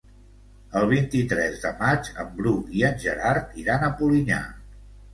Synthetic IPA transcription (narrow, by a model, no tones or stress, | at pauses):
əlˠβ̞int̪it̪ɾɛzðəmat͡ʃə̰mbɾuiənʲʒəɾaɾt̪iɾanəpuliɲa̰